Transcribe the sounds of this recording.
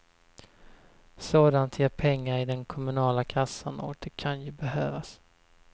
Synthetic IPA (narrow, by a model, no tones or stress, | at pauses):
soːd̪ant̪ʰjeːɾpʰɛŋːaɾɪd̪ɛnkʰɔmɵnɑːlakʰasːanɔ̰d̪̥ɛkʰanjɵbɛɦøːvas